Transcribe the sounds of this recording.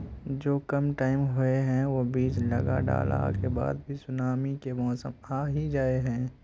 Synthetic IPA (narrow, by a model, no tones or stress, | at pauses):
d͡ʒoːkɐmʈaːɪmɦʊeɦɛ̃ʋobiːd͡ʒlə̰ɡa̰ɖa̰ːla̰ːkeba̰ːd̪̚bʱisʊnaːmikemɔːsəmaːɦid͡ʒaːeɦɛ̃ː